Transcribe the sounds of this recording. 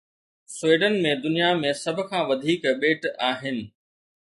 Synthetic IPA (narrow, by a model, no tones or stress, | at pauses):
sweːɖənmẽd̪ʊnijamẽsɐbʱʊ̆kʰãːʋɐd̪ʱiːkɓeːʈaːɦɪnɪ̆